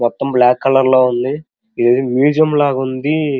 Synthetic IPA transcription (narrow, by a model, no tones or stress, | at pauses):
mɔt̪ːɐmblaːkːɐlɐɾloːund̪i | id̪ɐːd̪imjuːd͡ʒijɐmlaːɡund̪i